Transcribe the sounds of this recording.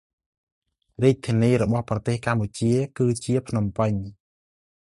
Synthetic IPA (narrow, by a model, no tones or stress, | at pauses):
riːc̚t̪ʰiəniːɾɔɓɑhprɑt̪eːhkamput͡ɕiəkɨːt͡ɕiəpʰnumpɨɲ